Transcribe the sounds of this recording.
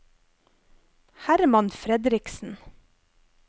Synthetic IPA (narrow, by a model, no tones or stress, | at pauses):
hæɾmɑnfɾɛd̪ɾɪksn̩